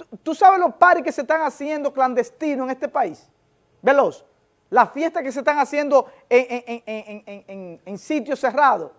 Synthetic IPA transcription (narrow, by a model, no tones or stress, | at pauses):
t̪ut̪usaβelospaɾikesest̪aŋasje̞nd̪o̞kland̪e̞st̪inoe̞ŋe̞st̪e̞pais | be̞los | lafje̞st̪akes̬est̪aŋasje̞nd̪o̞ | eŋeŋeŋeŋeŋeŋeŋeŋsit̪jo̞se̞raðo̞